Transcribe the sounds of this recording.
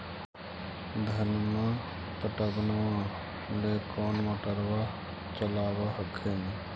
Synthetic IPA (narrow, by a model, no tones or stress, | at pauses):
d̪ʱənmã | pəʈəbnʋã | lekɔːnʋəʈəɾʋa | t͡ʃəlaːʋaɦəkʰen